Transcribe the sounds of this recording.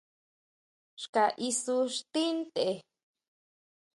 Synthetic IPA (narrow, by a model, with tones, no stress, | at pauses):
ʂka˨ʔi˧su˧ʂt̪i˦nt̪e˨